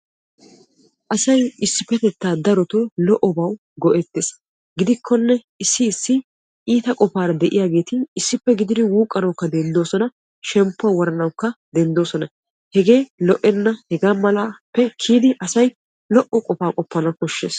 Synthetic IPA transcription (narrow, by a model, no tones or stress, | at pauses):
ʔɐsɐjɪsːɪpːɛt̪ɛt̪ːaːd̪ɐɾɔt̪olɔʔɔbɐw | ɡɔʔɛt̪ːeːs | ɡɪd̪ɪkʰːɔnːɛ | ɪsːɪːsːɪ | iːt̪ɐkʼɔfaːɾɐd̪ɛʔɪ̰jaːɡeːt̪ɪːsːɪpːɛɡɪd̪ɪd̪ɪwuːkʼːɐnɐwkːɐd̪ɛnd̪o̞ːsɔnɐ | ʃɛmpːʊawɔɾɐnɐwkːɐd̪ɛnd̪o̞ːsɔnɐ | hɛɡeːlɔʔɛnːɐhɛɡaːmɐlapːɛkʰiːd̪ɪʔɐsɐj | lɔʔɔkʼɔfaːkʼɔpːɐnɐkɔʃːe̞̰ːs